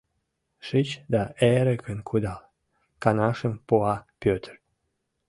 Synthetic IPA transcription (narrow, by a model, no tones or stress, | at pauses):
ʃit͡ɕd̪ɑʔeɾəkənkʰud̪ɑl | kɑnɑʃəmpuɑpʲøt̪ər